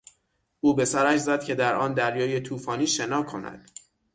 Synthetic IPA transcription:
ʔuːbe̞sæɾæʃzæd̪̥cʰe̞d̪æɾʔɒːnd̪æɾjɒːje̞t̪ʰuːfɒːniːʃe̞nɒːkʰo̞næ̰d̪̥

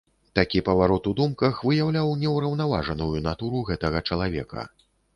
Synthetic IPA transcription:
t̪akʲipɐvaɾɔt̪ud̪umkɐxvɨjawlʲawnʲɛwɾɐwnava̰ʐɐnujunat̪uɾuɣɛt̪ɐɣɐt͡ʂɐlˠavʲɛ̰kʰɐ̰

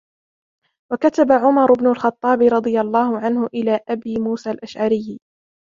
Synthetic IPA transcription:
wakat̪abaʕʊmɑɾˤʊbnʊlxɑt̪ˤːɑːbɪɾˤɑd̪ˤɨjalˤːɑːhʊʕanhʊʔɪlaːʔabiːmuːsaːlʔaʃʕaɾɪjː

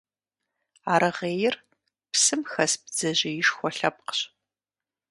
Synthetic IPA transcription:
aːɾɨʁeːjɪr | psɨmxɐsb̚d͡zɐʑɪjɪʃxʷɔɬɐp̚qə̥ɕ

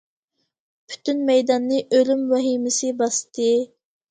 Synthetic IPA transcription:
pʰy̥t̪ynmɛjd̪ɑnːɨʔølymwɛɦimɪsɪbɑst̪ʰɨ

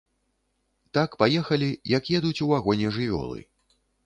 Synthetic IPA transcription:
t̪akpajɛxɐlʲijɐkjɛd̪ut͡sʲuaɣɔnʲɛʐɨvʲɔ̰lˠɨ̰

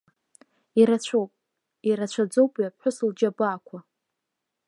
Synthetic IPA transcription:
iɾat͡ɕʷʰowpʼ | iɾat͡ɕʷʰad͡zo̞wpʼiapħʷᶣʊsɨld͡ʒabaakʷʰa

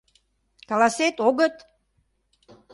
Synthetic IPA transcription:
kɑlɑset̪oɣət̪

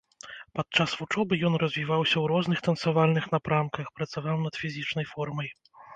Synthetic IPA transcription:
pat̪̚t͡ʂasvut͡ʂɔbɨjɔnrɐzʲvʲivawsʲɐwɾɔznɨxt̪ɐnsavalʲnɨxn̪apɾamkɐxpɾɐt̪savawnɐt̪fʲizʲit͡ʂnɐjfɔrmɐj

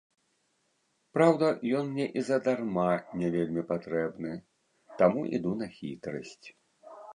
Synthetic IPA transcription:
pɾawd̪ɐjɔnmnʲɛʔizɐd̪armanʲɛvʲelʲmʲipat̪ɾɛbnɨ | t̪amuʔḭd̪unɐxʲit̪ɾɐ̰sʲt͡sʲ

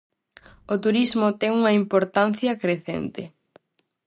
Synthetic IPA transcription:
ot̪uɾizmʊt̪ɛŋuŋɐimpoɾt̪an̟θjɐkɾeθɛ̰nt̪ɪ

